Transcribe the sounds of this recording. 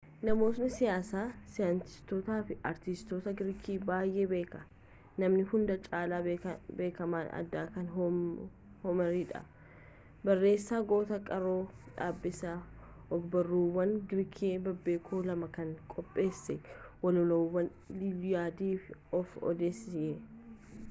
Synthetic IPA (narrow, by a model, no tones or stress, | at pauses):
nɐmo̞ːt̪nɪsɪjaːsaːsɪjaːnt̪ɪ̥st̪ɔt̪aːfɪɐɾt̪ɪst̪oːt̪ɐɡɪɾkʰiːbaːjʔeːbe̞ːkɐ | nɐmnɪhʊnd̪ɐt͡ʃʼaːlaːbe̞ːkɐmaːnɐ̰d̪ːaːkɐn | hɔmɐɾiːᶑɐ̰ | bɐrːe̞ːsːaːɡo̞ːt̪ɐkʼɐɾoːᶑa̰ːbːɪsa | ɔɡbɐrːuːwːɐnɡɪɾkʰeːbɐbːe̞ːkʰoːlɐmɐkɐŋkʼɔpʼːe̞ːsːɛwɐlɔlɐwːɐn | libɪjaːd̪iːfɪɔfɔ̰d̪eːsɪjɛ